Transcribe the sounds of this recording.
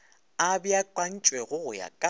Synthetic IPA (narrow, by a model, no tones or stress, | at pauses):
abjakʼwan̩t͡ʃʼwɛɣʊɣʊja̰kʼa